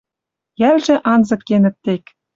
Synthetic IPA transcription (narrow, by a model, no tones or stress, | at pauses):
jælʒɘ̆ʔɑnzɤ̆kːenɘ̆t̪ːek